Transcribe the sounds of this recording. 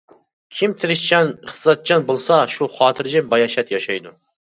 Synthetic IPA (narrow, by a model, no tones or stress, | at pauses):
kʲʰimt̪ʰɪɾɪʃt͡ʃʰɑnχzɑt̪̚t͡ʃʰɑnbolˠsɑʃuχɑːt̪ʰɪɾd͡ʒɪmbɑjɑʃɛt̪jɑʃɑjd̪u